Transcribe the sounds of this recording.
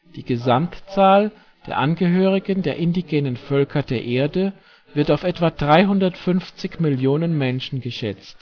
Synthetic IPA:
d̥iːɡəzamtt͡saːl | d̥eːɐʔanɡəɦøːʁ̞ɪɡəndeːɐʔɪndiɡɛːnənfœlkʰɐdeːɐʔeːɐdə | vɪɐtaʊfɛtv̥ad̥ʁaɪɦʊndɐtfʏnft͡sɪçmɪljoːnənmɛnʃn̩ɡəʃɛt͡st

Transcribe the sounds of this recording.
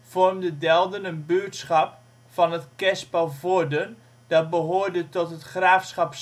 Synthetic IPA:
v̥ɔrmdədɛlˠdənənbytsχɑp | fɑnətkɛspɔlvodən | d̥ɑt̚bəɦoːrdətɔtɦətχraːfsχɑps

